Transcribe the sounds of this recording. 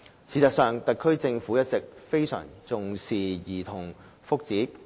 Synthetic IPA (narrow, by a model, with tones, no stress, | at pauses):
t͡sʰiː˨˩t͡sɐ˨˩ksœː˨ŋt̪ɐ˨kʰɵ˥ɥt͡sɪ˧ŋfuː˨˥jɐ˥t̚t͡sɪ˨k̚fe˥jsœ̰ː˨˩ŋt͡sʊ˨ŋsiː˨˩jiː˨˩t̪ʰʊ˨˩ŋ | fʊ˥k̚t͡siː˨˥